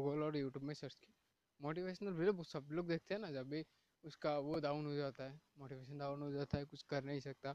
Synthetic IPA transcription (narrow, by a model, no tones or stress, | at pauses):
ɡoɡəlɔːɾjuːʈjuːbmẽsɐɾt͡ʃki̥ | moːʈiʋeːʃənəlbɪlbosɐbloːɡd̪eːk̚t̪eɦɛ̃nad͡ʒɐbʱi | ʊskaʋoɖaːʊnɦod͡ʒaːt̪aɦɛːmoːʈiʋeːʃənɖaːʊnɦod͡ʒaːt̪aɦɛkʊt͡ʃʰkɐɾnaɦĩsɐk̚t̪a